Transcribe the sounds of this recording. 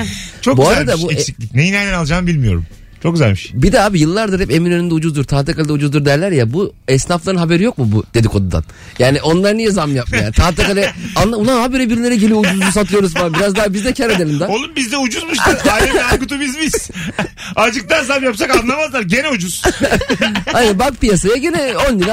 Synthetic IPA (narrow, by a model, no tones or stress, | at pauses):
t͡ʃʰokbuaɾad̪abuesicʲlʲicnejinɛnɛnalˠd͡ʒaːnbilʲmijo̞̰ɾṵm | t͡ʃʰok̚ɡyzælʲmiʃbid̪ɛaːbijɯlˠːaɾd̪ɯɾhɛpe̞minønynd̪ɛud͡ʒuzd̪uɾt̪ʰaːt̪akalʲid̪ɛud͡ʒuzd̪uɾd̪ɛɾlʲæɾjabuɛsnaflˠaɾɯnɦabe̞ɾijo̞kmubud̪̥e̞d̪iko̞d̪ud̪a̰n | jaːniʔo̞nlˠaɾɯnijɛzamjap̚majaːnit̪ʰaːt̪akalʲɛanlˠauanɦabeɾebiɾlʲe̞ɾɛɟelʲiud͡ʒuzus̬at̪ʰɯjo̞ɾuzfabiɾazd̪aːɦabizd̪ɛcʰɛɾad̪elʲimd̪aolˠumbizd̪ɛud͡ʒuzmuʃaɾaɛakut̪ʰubizmiz̥ | ad͡ʒɯk̚t̪ʰanzamjapsakaanlˠamazlˠaɾɟe̞nɛud͡ʒuz̥ | ajnænbakpijasajaɟinɛo̞ndin